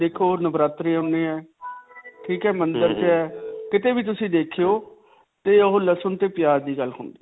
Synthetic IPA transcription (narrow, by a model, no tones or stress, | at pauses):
d̪eːkʰoːnəbɾaːt̪ɾeːoʊ̃neːɛː | ʈʰiːkɛːmənd̪əɾt͡ʃɛːkɪt̪eːbiːt̪̬ʊsĩːd̪eːkʰejoː | t̪eːəɦoːləsənt̪eːpɪjaːɾd̪iːɡəlɦʊ̰̃ːnd̪iː